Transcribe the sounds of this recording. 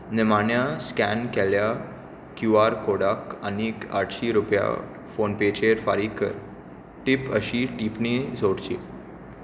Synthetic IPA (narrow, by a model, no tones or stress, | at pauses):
nəmaɳjaskænkɛlja | kjuaɾkoɽaka̰nika̰ʈɕiɾupja̰ | fonpet͡ɕeɾfaɾikəɾ | ʈipəɕiʈipnid͡zʱoɽt͡ɕḭ